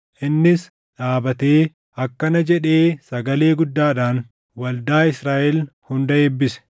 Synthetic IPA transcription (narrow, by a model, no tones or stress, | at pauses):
ʔɪnːɪs | ᶑaːbɐt̪eː | ɐkːɐnɐd͡ʒɛᶑe̞ːsɐɡɐle̞ːɡʊd̪ːaːᶑaːn | wɐld̪aːɪsɾaːʔɛlhʊnd̪ɐeːbːɪsɛ̥